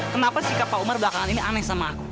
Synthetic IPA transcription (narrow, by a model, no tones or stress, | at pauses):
kənapasikapaumarbəlakaŋaniniʔanɛsamaːku